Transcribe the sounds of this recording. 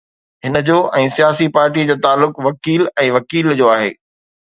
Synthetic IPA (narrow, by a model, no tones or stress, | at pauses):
ɦɪnəd͡ʑoːʔɛ̃ːsijaːsipaːɾʈid͡ʑoːt̪aːlːʊkʋɐkiːlɛ̃ːʋɐkiːld͡ʑoːaːɦḛː